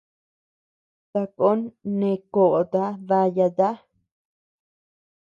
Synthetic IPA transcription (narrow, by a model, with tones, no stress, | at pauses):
t̪a˧ko˦nːẽ˧ko˨ʔd̪a˦βa˧ja˧d̪a˦